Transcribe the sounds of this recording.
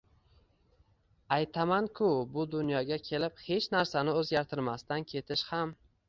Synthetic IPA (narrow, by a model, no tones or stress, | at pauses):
ajt̪ʰamankʰʊbʊd̪ʊnjɒɡʲakʲʰe̞lɪp̚he̞t͡ʃnaɾsanɪɵzɡʲaɾt̪ʰɪɾmast̪ankʲʰe̞t̪ʰɪʃham